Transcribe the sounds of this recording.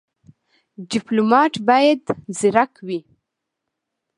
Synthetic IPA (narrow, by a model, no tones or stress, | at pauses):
ɖɪplumɑʈbɑjad̪zɪɾakwi